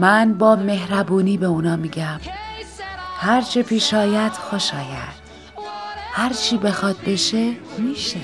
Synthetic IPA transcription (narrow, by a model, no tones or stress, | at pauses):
mænbɒːme̞hɾæbuːniːbeunɒːmiːɟæm | hæɾt͡ʃʰepʰiːʃɒːjæd̪̥xo̞ʃɒːjæd̪̥ | hæɾt͡ʃʰiːbe̞xɒːt̪̚be̞ʃemiːʃe